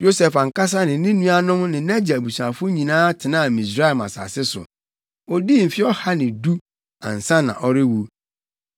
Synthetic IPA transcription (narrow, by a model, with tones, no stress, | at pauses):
jo˦sɛ˨fa˨ŋ̩˨ka˦s̬a˦nɪ̃˨nɪ̃˦nũ˦a˦nʊ̃˦mnɪ̃˨nɛ˦d͡ʑa˨bu˨su˨ã˨fʊ˦ɲĩ˨nãː˦tʰɪ˨nãː˦˨mĩ˨s̬ɾa˦˨ma̰˨sa̰˨sɪ˦sʊ̰˨ | ɔ˦di˦˨m̩˨fɪ˦ɔ˦ha˦nɪ̃˨du˦ | ã̰˨n̩˨sã˦nã̰˨ʔɔ˦ɾɪ˦wu˦